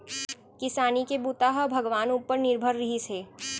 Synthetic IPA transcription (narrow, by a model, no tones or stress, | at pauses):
kɪsaːnikebuːt̪aɦɐbʱɐɡʋaːnupːəɾnɪɾbʱəɾːɐɦiseː